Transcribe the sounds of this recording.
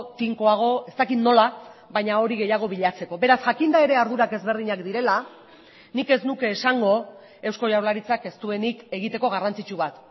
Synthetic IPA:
t̪iŋko̞aɣ̞o̞e̞st̪akit̪no̞laβajɲao̞ɾiɣe̞jaɣ̞o̞βiʎat͡se̞ko̞βe̞ɾasʝakind̪ae̞ɾe̞aɾðuɾake̞zβe̞ɾð̞iɲakd̪iɾe̞la | nike̞znuke̞ːsaŋɡo̞ | e̞wsko̞ʝawlaɾit͡sake̞st̪ue̞nike̞ɣit̪e̞ko̞ɣ̞arant͡sit͡ʃuβat̪

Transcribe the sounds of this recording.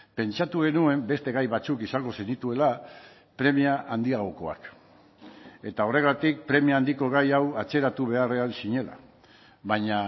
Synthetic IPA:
pe̞nt͡ʃat̪uɣ̞e̞nue̞mbe̞st̪e̞ɣajβat͡sukisaŋɡo̞se̞nit̪ue̞la | pɾe̞miaʔand̪iaɣo̞ko̞a̰k | e̞t̪ao̞re̞ɣ̞at̪ik̚pɾe̞miaːnd̪iko̞ɣ̞ajawat͡se̞ɾat̪uβ̞e̞are̞alsiɲe̞la̰ | βaɲa

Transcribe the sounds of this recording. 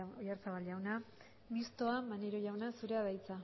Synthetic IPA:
ojaɾt͡saβalʝawna | mist̪o̞amaneɾoʝawnasuɾe̞að̞ajt͡sa

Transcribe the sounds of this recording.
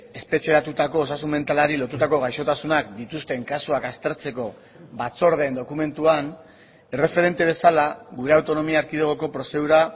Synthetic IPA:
e̞spe̞t͡ʃe̞ɾat̪ut̪ako̞ːs̬asume̞nt̪alaɾilo̞t̪ut̪ako̞ɣ̞ajʃo̞t̪asunakd̪it̪ust̪e̞ŋkasuakast̪e̞ɾt͡se̞ko̞ | βat͡so̞ɾðe̞ːnd̪o̞kume̞nt̪uan | e̞re̞fe̞ɾe̞nt̪e̞β̞e̞salaɣuɾe̞awt̪o̞no̞miaːɾkiðeɣ̞o̞ko̞pɾo̞se̞ðuɾa

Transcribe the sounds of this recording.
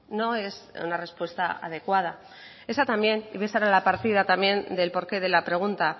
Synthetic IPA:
no̞e̞sṵnare̞spwe̞st̪aa̰ðe̞kwað̞a | e̞sat̪ambje̞niβesaɾalapaɾt̪ið̞at̪amje̞nd̪e̞lpo̞ɾke̞ðe̞lapɾe̞ɣ̞unt̪a

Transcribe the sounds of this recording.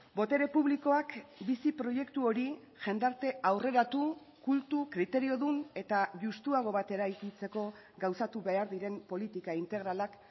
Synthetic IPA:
bo̞t̪e̞ɾe̞puβliko̞akbisipɾo̞je̞kt̪uo̞ɾi | ʝe̞nd̪aɾt̪e̞awre̞ɾat̪u | kult̪ukɾit̪e̞ɾio̞ðune̞t̪aʝust̪uaɣ̞o̞βat̪e̞ɾajkit͡se̞ko̞ | ɡawsat̪uβe̞aɾðiɾe̞mpo̞lit̪ikaint̪e̞ɣɾalak

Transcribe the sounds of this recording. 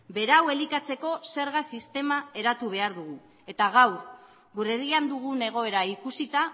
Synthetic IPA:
be̞ɾawe̞likat͡se̞ko̞se̞ɾɣasist̪e̞mae̞ɾat̪uβ̞e̞aɾðuɣu | e̞t̪aɣ̞awɾ | ɡuɾeriand̪uɣ̞une̞ɣ̞o̞e̞ɾaikusit̪a

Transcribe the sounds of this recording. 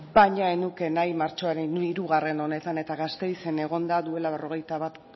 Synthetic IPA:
bajɲaenuke̞najmaɾt͡ʃo̞aɾeniɾuɣare̞no̞ne̞t̪ane̞t̪aɣast̪e̞jse̞ne̞ɣ̞o̞nd̪aðue̞laβe̞ro̞ɣ̞e̞jt̪aβat̪

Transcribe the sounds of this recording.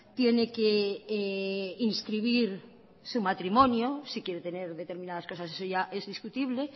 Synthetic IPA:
t̪jenekeeinskɾiβ̞iɾ | sumat̪ɾimõnjosikjeɾet̪eneɾðet̪eɾmĩnaðaskosasesoʝaʔezðiskut̪iβle

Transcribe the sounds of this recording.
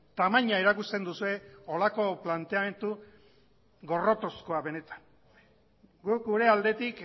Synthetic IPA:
t̪amaɲaeɾakust̪e̞nd̪usue̞o̞lako̞plant̪e̞ame̞nt̪u | ɣo̞ro̞t̪o̞sko̞aβe̞ne̞t̪ḁn | ɡuk̚ɡuɾe̞ald̪e̞t̪ik

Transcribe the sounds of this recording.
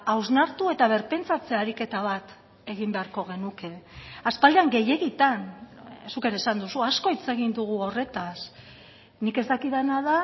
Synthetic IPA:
awznaɾt̪ue̞t̪aβ̞e̞ɾpe̞nt͡sat͡se̞aɾike̞t̪aβat̪ | e̞ɣ̞imbe̞aɾko̞ɣ̞e̞nuke̞aspald̪eaŋɡe̞je̞ɣit̪ansuke̞ɾe̞ːsand̪usuasko̞it͡se̞ɣind̪uɣ̞uo̞re̞t̪as | nike̞zt̪akiðenað̞a

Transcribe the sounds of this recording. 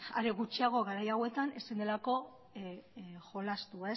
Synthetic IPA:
a̰ɾe̞ɣut͡ʃiaɣ̞o̞ɣaɾajawe̞t̪ane̞sind̪e̞lako̞ | xo̞last̪uae

